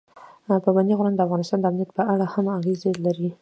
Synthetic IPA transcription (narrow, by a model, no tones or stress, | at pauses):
pəband̪iɣɾand̪əafɣɑnɪst̪ɑnd̪əamnijat̪pəaɽahamaɣezelaɾi